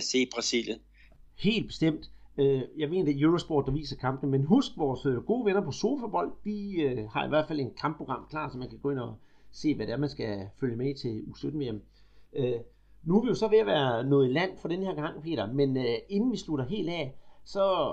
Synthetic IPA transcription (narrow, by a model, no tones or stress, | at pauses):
se̝̰ːb̥ʁɑsiljən | he̝̰ːld̥b̥e̝̥sd̥em̰d̥øjɑ̈ɪme̝ːnd̥æjøʁosb̥ɒ̰ːd̥ːɑʋḭːsɐkʰɑ̈mb̥n̩menɦusɡ̥ʋɒːsɡ̥o̝ːʋenɐpʰɒ̽so̝ːfob̥ɒ̽l̰d̥d̥iøhɑ̈iʋæɐ̰d̥fæl̰e̝nkʰmb̥ʰʁo̝ɡ̥ʁɑ̈m̰kʰlɑ̰̈ːsɒ̽mænkʰæɡ̥ɔ̽ːe̝nɒ̽ | se̝̰ːʋæd̥eæɐmænsɡ̥æføljəmeit͡sʰe̝lusød̥n̩ʋeem | ø | nuʋijo̝sɒ̽ʋe̝æʋæːɐnɔ̽ːð̩ˠilæn̰fɒ̽ɾ̥enəhe̝ɐ̰ɡ̥ɑ̈ŋ̰pʰe̝̰ːɾɐmene̝nn̩ʋisluɾ̥ɐɦe̝̰ːld̥ɛ̰sɒ̽